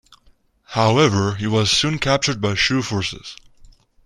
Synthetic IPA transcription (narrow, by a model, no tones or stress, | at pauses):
haʊɛvə˞iwʌz̥sũnkʰæp̚t͡ʃə˞d̚baɪʃʉfɔɹsɪ̰z̥